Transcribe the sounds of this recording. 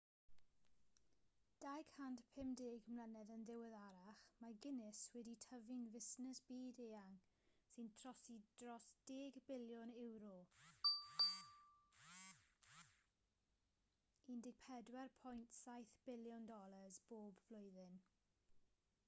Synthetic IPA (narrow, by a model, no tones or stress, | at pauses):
d̥ajɡhandpʰɪmdɪːɡmlˠənɛðənðɪwɪðaɾaχmaɡɪnɪswɛditʰəvinvɪsnəsb̥iːdeːaŋ | sɨntʰr̥ɔsid̥rɔsd̥eːɡbɪljɔnɪwɾɔ | indɪɡ̥̚pʰɛdwɛrpʰɔjntʰsajθb̥ɪljɔndɔlˠəzb̥oːbvlˠʊjðɪn